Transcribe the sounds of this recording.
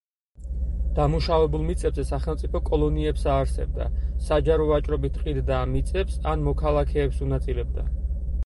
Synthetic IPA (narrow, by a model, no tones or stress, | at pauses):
d̪̥amuʃavɛbulˠmit̪sʼɛbzɛsaχɛlˠmt̪sʼipʰɔkʼɔlˠɔniɛpsaːɾsɛ̰b̚d̪a̰sad͡ʒaɾɔvat͡ʃʼɾɔbit̪ʰqʼid̪d̪aːmit̪sʼɛpsanmɔkʰalˠakʰɛːpsunat̪sʼilɛb̚d̪a̰